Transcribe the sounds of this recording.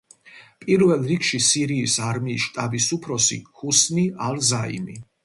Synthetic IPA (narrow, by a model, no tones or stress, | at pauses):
pʼiɾvɛlˠɾikʃisiɾiːsaɾmiːsʃt̪ʼabisupʰɾɔsḭhusnialzaḭmḭ